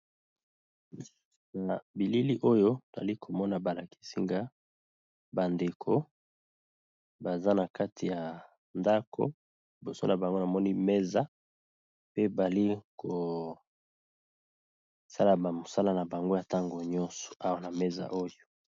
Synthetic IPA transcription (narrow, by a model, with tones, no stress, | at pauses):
na˨bi˨li˦li˦ʔo˦jo˦to˨za̰˨li˦kʰo˨mɔ˦na˨ba˨la˨ki̥˦si˦ŋɡa˦ | ba˨nde˨kʰo˦ | ba˨za˦na˨ka˦tʰi˨ja˨ | nda˦kʰo̰˦ | li˨bo˨so˦na˨ba˨ŋɡo˦na˨mɔ˦ni˦me˦za˦ | pe˦ba˨li˦kʰo˨ | sa˦la˨ba˨mo˨sa˦la˦na˨ba˨ŋɡo˦ja˨ta˦ŋɡo˨ɲɔ˦nsɔ̥˨a˦wa˦na˨me˦za̰˨ʔo˦jo˨˦